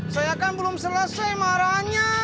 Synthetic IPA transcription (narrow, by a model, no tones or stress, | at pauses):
sajakanbəlʊmsələsajmaɾaɲa